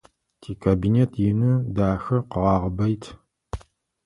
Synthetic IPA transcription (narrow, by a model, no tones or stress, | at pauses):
tʰiːkʰaːbinetʰjɪnɨdaːxɐqəʁɑːʁəbɐjtʰ